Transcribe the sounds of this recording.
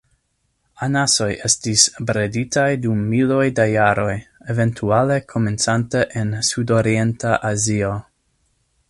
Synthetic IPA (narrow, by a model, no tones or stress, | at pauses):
anaso̞jʔe̞stisbɾeditajdumːilo̞jdajaɾo̞jeve̞ntʰuale̞kʰo̞me̞nt͡santeʔensudo̞ɾie̞ntaʔazio